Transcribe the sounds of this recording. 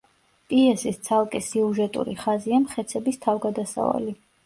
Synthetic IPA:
pʼiɛsist̪sʰalˠkʼisiuʒɛt̪ʼṵɾḭχaziamχɛt̪sʰɛbist̪ʰavɡad̪asa̰va̰li

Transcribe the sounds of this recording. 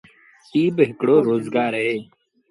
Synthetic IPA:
siːbɦɪkɽoːɾoːzɡaːɾɦeː

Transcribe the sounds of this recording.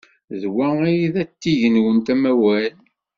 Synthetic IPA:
ðwæijiðæt̪ːiʝənwənt̪æmæwæl

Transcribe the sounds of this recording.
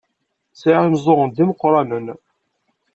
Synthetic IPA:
t͡siʕamzˤoʁənd̪iməqːɾˤɑnən

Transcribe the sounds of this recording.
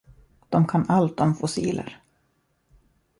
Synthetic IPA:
d̪̥ɔmkʰanalt̪̚ɔmfʊsiːlə̰ɾ

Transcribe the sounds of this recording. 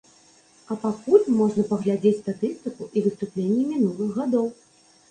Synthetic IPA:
ɐpakulʲmɔʐnɐpɐɣlʲad͡zʲet͡sʲst̪at̪ɨst̪ɨkuʔivɨst̪uplʲenʲːimʲinulˠɨɣɣad̪ɔw

